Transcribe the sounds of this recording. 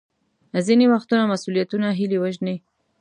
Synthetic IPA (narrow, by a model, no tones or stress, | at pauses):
zinewaxt̪unamasulijat̪unaɦiliwaʒni